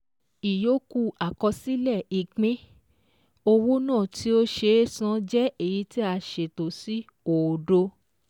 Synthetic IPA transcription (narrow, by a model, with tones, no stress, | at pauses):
i˨jo˨˦ku˦˧a˨kɔ˧si˦lɛ˦˨i˨k͡pĩ˦ | o˧wo˦nãː˦˨ti˦o˦ʃe˧˦sã˧˦d͡ʒɛ˦e˦˨ji˧˦ti˦a˧ʃe˨to˨si˦ | o˨do˧